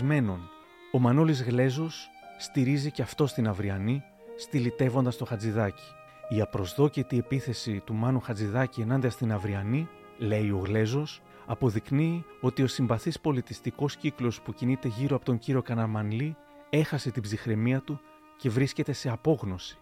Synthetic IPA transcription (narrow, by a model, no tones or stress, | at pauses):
me̞no̞n | o̞mɐno̞lizɣle̞zo̞sː | t̪iɾiziceɐft̪o̞st̪inɐvɾiɐni | st̪ilit̪e̞vo̞nd̪ɐst̪o̞xɐd͡ziðɐci̥ | iɐpɾo̞zðo̞cet̪ie̞piθe̞sit̪umɐnuxɐnd͡ziðɐcie̞nɐnd̪iɐst̪inɐvɾiɐni | le̞io̞ɣle̞zo̞s | ɐpo̞ðikniːo̞t̪io̞simbɐθispo̞lit̪ist̪iko̞sciklo̞spucinit̪e̞ʝiɾoɐpo̞t̪oɲciɾio̞kɐnɐmɐnli | e̞xɐse̞t̪ibzixɾe̞miɐt̪u | ce̞vɾisce̞t̪e̞se̞ɐpo̞ɣno̞si̥